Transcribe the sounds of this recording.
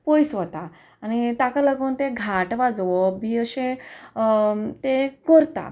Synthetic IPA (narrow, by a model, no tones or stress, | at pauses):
pɔjsʋət̪aː | ñit̪akaləɡont̪eɡʱaʈʋad͡zʋobiəɕe | t̪ekəɾt̪a̰